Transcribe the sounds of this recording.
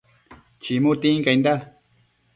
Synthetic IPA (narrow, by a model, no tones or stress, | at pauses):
t͡ʃimut̪ĩŋkajnd̪a